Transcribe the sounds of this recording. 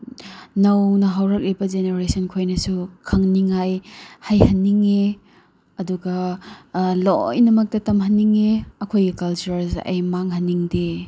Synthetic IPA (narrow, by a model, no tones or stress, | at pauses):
nɐwnɐɦawɾɐk̚lebɐzeneɾesɐnkʰojnɐsukʰɐŋniŋajhajhɐnːiŋe | ɐduɡɐ | lo̰jnɐmɐk̚tɐtɐmhɐnːiŋeɐkʰojɡikɐlt͡ʃuɾɐlsɐ̰jmaŋɦɐniŋde